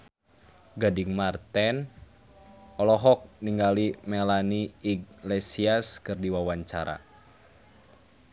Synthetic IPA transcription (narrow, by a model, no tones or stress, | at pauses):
ɡadiŋmart̪ɛn | ɔlɔɦɔk̚niŋɡalimɛlaniːɡlɛsiaskɨrdiwawaɲt͡ʃaɾa̰